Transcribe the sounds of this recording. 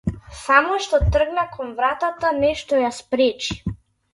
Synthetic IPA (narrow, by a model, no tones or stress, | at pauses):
samɔʃt̪ɔt̪r̩ɡnakʰɔnvɾat̪at̪anɛʃt̪ɔjaspɾɛt͡ʃi̥